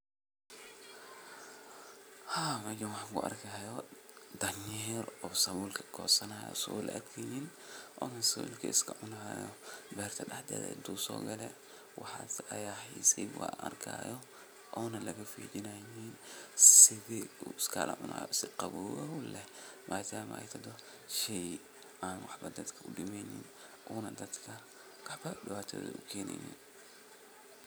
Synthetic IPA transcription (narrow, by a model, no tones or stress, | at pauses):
haːmɐd͡ʒɛnwɑħkʊʔɐ̰rkʰaːjɔd̪ɐnjɛːrɔːsɐβuːlkʰɐ̥kʰɔːsɐnaːjɔ̰sɐβulʔɐ̰ʔɐ̰d̪kʰɛnin | ʔɔːnɐsɐ̰wṵːlkʰɐɪskʰɐʕʊnaːjɔ̰bɛːrt̪ʰɐɗɐħd̪ɐ̰ðɛ̰d̪uːsɔ̰ːɡɐlɛ | wɑħɑsɐjaːħḭsiwa̰ʔɐrkʰa̰ːjɔ | ʔɔːnɐlɐɣɐfiːdɪnɐjinsɪðɪuɪskʰɐlɐ̰ʕʊnaːjɔsɪqɑβɔːɔʊlɛmʔaːd̪aːm̰ʔɛ̰jt̪ʰɐd̪ɔ | ʃɛj | ʔaːnwɑħbɐd̪ɐd̪kʰɐʊɖɪmɛnɪ̰n | ʔuːnɐd̪ɐd̪kʰɐ | wɑħbɐɗɪβaːt̪ʰɔːðɐ̰ʔʊkʰɛːnɛ̰jḭn